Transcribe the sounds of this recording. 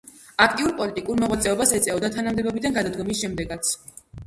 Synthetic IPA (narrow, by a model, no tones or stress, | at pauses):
ak̚ʰt̪ʼiuɾpʼɔlit̪ʼikʼuɾmɔʁwat̪sʼɛɔbasɛt̪sʼɛɔd̪at̪ʰanamd̪ɛbɔbid̪anɡad̪ad̪ɡɔmisʃɛmd̪ɛɡat̪sʰ